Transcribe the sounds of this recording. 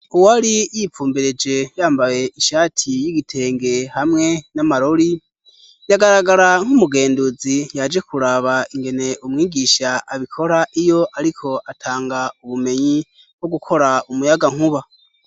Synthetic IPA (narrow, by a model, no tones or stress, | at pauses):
uwaɾijifuːmbeɾe̞d͡ʒe̞jaːmbaje̞ʔiʃaːtʰijiɡitʰe̞ːŋɡe̞hamŋe̞namaɾoɾi | jaɡaɾaɡaɾaŋ̥umuɡe̞ːndud͡zijad͡ʒe̞kuɾaβaiŋɡe̞ne̞ʔumŋiːɡiʃaʔːβikʰo̞ɾaʔijo̞ʔaɾikʰo̞ʔatʰaːŋɡauβume̞ɲi | bwoɡukʰo̞ɾaumujaɡaŋ̥huβa